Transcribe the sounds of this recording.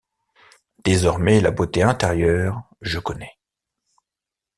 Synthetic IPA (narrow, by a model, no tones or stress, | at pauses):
d̪̥ezɔʁmɛla̰bot̪eɛ̃t̪eʁjœːʁ | ʒəkɔnɛ